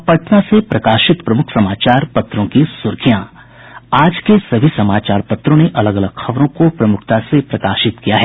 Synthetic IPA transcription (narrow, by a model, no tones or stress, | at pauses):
pɐʈnasepɾɐkaːʃɪt̪pɾɐmʊkʰsɐmaːt͡ʃaːɾpɐt̪ɾõkisʊɾkʰijã | aːd͡ʒkesɐbʱisɐmaːt͡ʃaːɾpɐt̪ɾõneʔɐləɡɐləɡxɐʋɾõkopɾɐmʊkʰt̪asepɾɐkaːʃɪt̪kijaɦɛː